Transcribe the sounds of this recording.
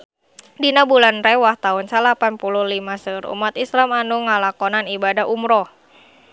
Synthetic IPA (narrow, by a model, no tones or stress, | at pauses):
dinabulanrɛwaht̪aunsalapanpulʊhlimasərṵmat̪islamanuŋalakɔnanibadaɦumɾɔ